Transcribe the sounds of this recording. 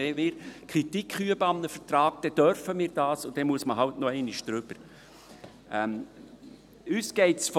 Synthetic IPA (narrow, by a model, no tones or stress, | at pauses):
eːmɪːɾkʰɾitikχyəbəɑmnəfəɾt̪ɾɑːk̚d̥ɛd̥œɾfəmiːɾd̥ɑːsʊd̥ɛmuəsməɦɑwtnoɛɪniʃd̪̥ɾʏb̥əɾ | ʔɛm | yːsɡ̥ɛɪtsf